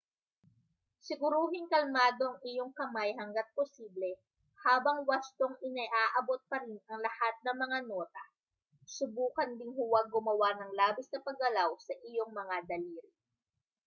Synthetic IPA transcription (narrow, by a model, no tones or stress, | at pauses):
sɪɡʊɾuːɦɪŋkɐlmaːd̪o̞ʔɐŋɪjo̞ŋkɐmajɦɐŋɡat̪̚posiːblɛ | haːbɐŋwɐst̪oŋʔɪnɛʔaːʔɐbot̪̚pɐɾinɐŋlɐhat̪̚nɐmɐŋano̞ːt̪ɐ | sʊbuːkɐnd̪ɪŋhʊwaɡʊmɐwanɐŋlaːbɪsnɐpɐɡɐlawsɐʔɪjo̞ŋmɐŋad̪ɐliːɾɪ